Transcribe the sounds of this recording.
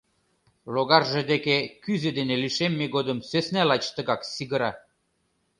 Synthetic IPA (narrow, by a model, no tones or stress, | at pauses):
loɣɑrʒĕd̪ekekyzed̪eneliʃemːeɣod̪ə̆msøsnælɑt͡ɕt̪ə̆ɣɑksiɣə̆ɾɑ